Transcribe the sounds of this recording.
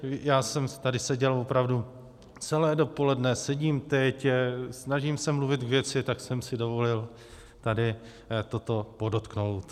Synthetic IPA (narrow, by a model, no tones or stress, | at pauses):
jaːsɛmt̪adɪsɛɟɛlvo̞pɾavdu | t͡sɛlɛːdo̞po̞lɛdnɛsɛɟiːmt̪ɛcsnaʒiːmsɛmluvɪt̪ɡvjɛt͡sɪt̪aksɛmsɪdo̞vo̞lɪl | t̪adɪ | t̪o̞t̪o̞po̞dot̪kno̞wt̪